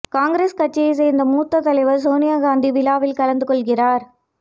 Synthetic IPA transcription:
kaːŋɡɾeːskɐʈ̚t͡ʃːɐjɐs̬ɛːɾnd̪ɐmuːt̪ːɐt̪ːɐlɐɪʋɐɾs̬oːnɪjaːɡaːnd̪iʋɪlaːʋɪlkɐlɐnd̪ɯkɔɭɣɪraːɾ

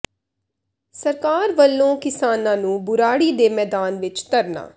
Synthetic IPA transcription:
səɾkaːɾʋəlːõːkɪsaːnãːnũːbʊɾaːɽiːd̪eːmɛːd̪aːnʋɪt͡ʃt̪əɾna̰ː

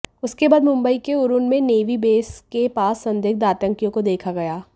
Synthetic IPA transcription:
ʊskebaːd̪mʊ̃mbəikeʊɾʊnmẽneːʋibeːskepaːsːɐ̃nd̪ɪk̚d̪aːt̪ə̃ŋkijõkod̪eːkʰaɡɐjaː

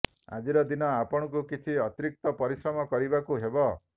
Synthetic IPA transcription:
a̰d͡ʒiɾɔd̪inɔapɔɽ̃ɔk̬ukit͡ʃʰiɔt̪iɾik̚t̪ɔpɔɾisɾɔmɔkɔɾibakuɦebɔ

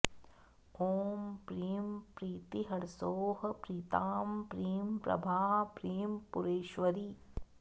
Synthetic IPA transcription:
oːmpɾiːmpɾiːt̪iɦɐɽsoːhɐpɾiːt̪aːmpɾiːmpɾɐ̰bʱaːpɾiːmpuɾeːʃʋɐɾi

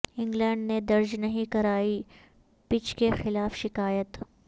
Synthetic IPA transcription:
ɪ̃ŋɡlɛ̃ːɳɖned̪ɐɾd͡ʒnɐɦĩkɐɾaːi | pɪt͡ʃkexɪlaːfʃɪkaːjət̪

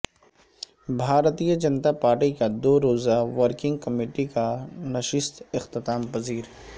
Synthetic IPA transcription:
bʱaːɾt̪ijəd͡ʒɐnt̪apaːɾʈikad̪oːɾoːzaʋəɾkɪ̃ŋɡ̚kɐmeːʈikanɐʃɪst̪ɪxt̪ɪt̪aːmpɐziːɾ

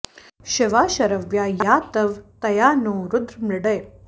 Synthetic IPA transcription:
ɕɪʋaːɕɐɾəʋjajat̪ɐʋt̪ɐjaːnoːɾud̪ɾmɾɪɽəj

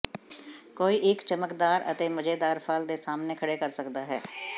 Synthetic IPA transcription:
koːiːʔɪkt͡ʃəməkd̪aːɾə̰t̪eːməd͡ʒeːd̪aːɾpʰald̪eːsaːmneːkʰəɽeːkəɾsəkd̪aːɦɛ̰ː

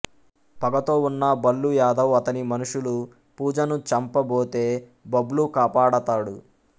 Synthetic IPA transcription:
pɐɡɐt̪o̞ːunːɐbɐlːujaːd̪ɐwɐt̪ɐnimɐnuʂulu | puːd͡ʒɐnut͡ʃɐmpɐboːt̪e̞ːbɐblukaːpaːɽɐt̪aːɽu

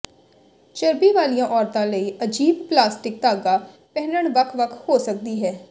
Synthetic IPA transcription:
t͡ʃəɾpiːʋaːlijãːʔɔːɾt̪ãːləiːʔəd͡ʒiːbplaːsʈɪk̚t̪aːɡaː | pɛɦnəɳʋəkʰʋəkʰhoːsək̚d̪iːɦɛː

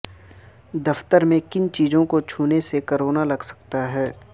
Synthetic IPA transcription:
d̪ɐft̪əɾmẽkɪnt͡ʃiːzõkot͡ʃʰuːnesekɐɾoːnalɐɡsɐ̥k̚t̪aɦɛː

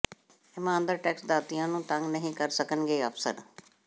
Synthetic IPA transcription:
ɪmãːnd̪əɾʈɛːksd̪aːt̪ijãːnũːt̪ə̃ŋɡnəɦĩːkəɾsəkənɡeːəfʰsə̰ɾ

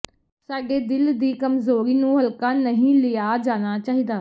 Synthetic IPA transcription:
saːɖeːd̪ɪld̪iːkəmzoːɾiːnũːɦəlkaːnəɦĩːlɪjaːd͡ʒaːnaːt͡ʃaːɦiːd̪aː

